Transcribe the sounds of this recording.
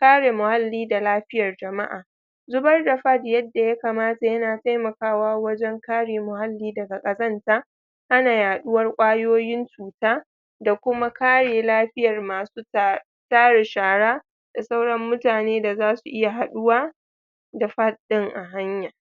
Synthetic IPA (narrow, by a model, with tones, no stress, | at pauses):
kaː˦ɽeː˨mʊ˨ha˦lːiː˦da˨laː˦ɸɪ˦jɐ˨rd͡ʒɐ˨ma˦ʔa̰ː˨ | zʊ˦bɐ˦rda˨ɸɐ˦djɐ˦dːa˨ja˦kaː˨maː˦ta˨jɐ˦naː˨ta˦jmɐ˨kaː˦waː˦wɐ˦d͡ʒɛ˦ŋkaː˦ɽeː˨mʊ˨ha˦lːiː˦dɐ˨ɡa˨kʼɐ˨zɐ˦ntaː˦ | ʔa˦naː˨jaː˨ɗʊ˦wɐ˦rkʷʼaː˦joː˦jɪ˦nt͡ʃuː˨taː˦ | da˨kʷʊ˦ma˦kaː˦ɽeː˨laː˦ɸɪ˦jɐ˨rmaː˨su˦ | taː˦ɽe˨ʃaː˨ɽaː˦ | d̥a˨sa˦wɽɐ˦mːʊ˦taː˨neː˦da˨zaː˦su˨ʔɪ˦ja˨ɦa˨ɗʊ˦waː˦ | da˨ɸa˦t̚ɗɪ˦ŋʔa˨ɦa˦ɲja˨